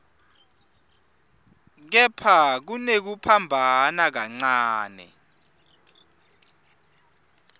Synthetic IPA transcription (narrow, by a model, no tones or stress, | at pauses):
k̬ɛpʰak̬unek̬upʰambʱanak̬aŋ͡ǀaːnɛ̰